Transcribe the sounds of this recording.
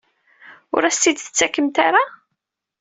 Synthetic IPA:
ʊ̰ɾæsid̪θə̥t͡sːækːəmt̪aɾa

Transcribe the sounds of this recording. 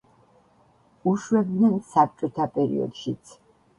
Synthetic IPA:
uʃwɛb̚d̪nɛnsap̚t͡ʃʼɔt̪ʰapʼɛɾḭɔ̰d̪ʃit̪sʰ

